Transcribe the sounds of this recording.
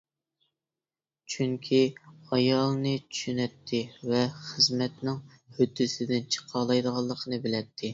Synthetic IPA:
t͡ʃʰyŋkʲʰiɑjɑlˠnɨt͡ʃʰy̥ʃynɛt̪ʰːɪvɛχəzmɛt̪nɪŋ | hød̪ːɪsɪd̪ɪnt͡ʃʰə̥qʰɑlˠɑjd̪əʁɑlˠːəqʰənɨbɪlɛt̪ʰːɪ

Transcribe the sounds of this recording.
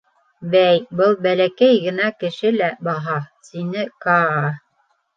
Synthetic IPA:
bæjbɤlˠbælækæjɡɘ̆nækɘ̆ʃɘlæbɑɦɑsinɘkɑɑ

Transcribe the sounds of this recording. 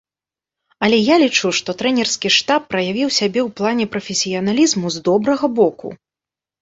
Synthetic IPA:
ɐlʲɛjalʲit͡ʂuʂt̪ɔt̪ɾɛnʲɛrskʲiʂt̪apːɾɐjavʲiwsʲabʲɛwplˠanʲɛpɾɐfʲɛsʲijɐnalʲizmuzd̪ɔbɾɐɣɐbɔkṵ

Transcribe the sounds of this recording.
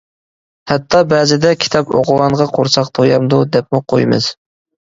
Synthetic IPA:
hɛt̪ʰːɑbɛːzɪd̪ɛkʲʰi̥t̪ʰɑpo̰ʁʊlˠɑnʁɑqʰoɾsʰɑqt̪ʰojɑmd̪ud̪ɛp̚muqʰojmɨ̰z̥

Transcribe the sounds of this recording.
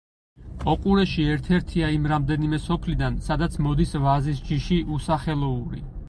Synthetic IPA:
ɔkʼuɾɛʃiɛɾt̪ʰɛɾt̪ʰiaimɾamd̪ɛnimɛsɔpʰlid̪ansad̪at̪sʰmɔd̪isvazisd͡ʒiʃiʔusaχɛlˠɔuɾḭ

